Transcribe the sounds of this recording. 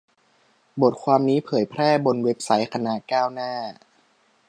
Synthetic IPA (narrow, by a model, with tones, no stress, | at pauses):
bo˨˩t̪̚kʰwaː˧mniː˦˥pʰɤː˩˦jpʰɾɛː˥˩bo˧nwe˦˥p̚sa˦˥jkʰa˧naː˨˩kaː˥˩wnaː˥˩